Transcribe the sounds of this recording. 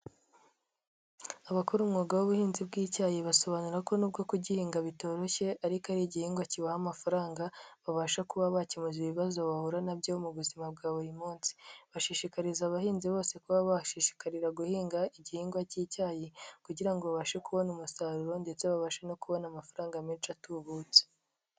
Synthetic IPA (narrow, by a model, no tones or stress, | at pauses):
aβakuɾumŋoːɡawoβuhiːnzibɡiːcaːjeβaso̞βanuɾako̞nuːb̚ɡo̞kuɟihiːŋɡaβito̞ːɾo̞çe̞ʔaɾikaɾiːɟihiːŋɡwaciβahamafaɾaːŋɡaβaβaːʃakuβaβacimuziβiβazo̞βahuɾanabjoumuβuzimabɡaːβuɾimuːnsi̥βaʃiʃikaɾizaβahiːnziβo̞ːse̞kuβaβaʃiʃi̥kaɾiɾaɡuhiːŋɡaiɟihiːŋɡwaciːcaːjekuɟiɾaŋɡoβaβaːʃekuβo̞numusaːɾuɾo̞nde̞t͡se̞βaβaːʃano̞kuβo̞namafaɾaːŋɡamit͡ʃatuβut͡se̥